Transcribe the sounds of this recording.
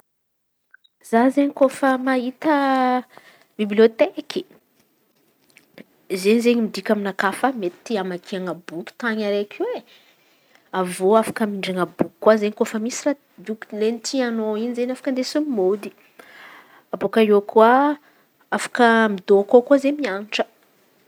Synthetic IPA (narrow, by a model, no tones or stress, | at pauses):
z̥azeɲikofəmaɦit̪ə | bibliot̪ekʲʰi̥ | zenizeɲimid̪ikʲaminakafamet̪t̪iamakʰiaŋəbukʲi̥t̪aɲaɾekʰiwe | avoafḁkəmiɳɖ͡ʐaŋəbuki̥kːwazeɲikofəmisira | d̪uklenit̪ʰianoinizenafḁkənd̪esumod̪i̥ | abokaokʰuə | afḁkəmid̪okokuazemianiʈ͡ʂə̥